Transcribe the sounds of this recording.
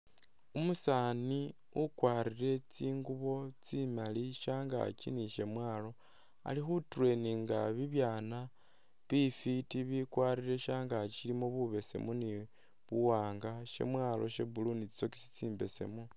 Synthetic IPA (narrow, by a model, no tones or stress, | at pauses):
umusaːni | ukwaːɾire̞t͡siːŋɡuβo̞t͡simaliʃaːŋɡa̰t͡ʃḭniʃe̞mwaːlo̞ | a̰lixuturwe̞niŋɡaβiβjaːna | βifitiβikwaːɾiɾe̞ʃaːŋɡaʃilimoβuβe̞se̞̰muni | βuwaːŋɡaʃe̞̰mwaːlo̞ʃe̞bulunit͡si̥t͡so̞ki̥si̥t͡siːmbe̞̰se̞̰mu